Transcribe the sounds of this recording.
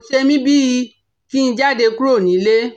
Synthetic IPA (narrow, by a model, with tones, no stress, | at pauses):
ʃe˧mĩ˦bi˦i˧ | ki˦ñ̩˧d͡ʒa˦˨de˧ku˦ɾo˦˨nĩ˨˦le˦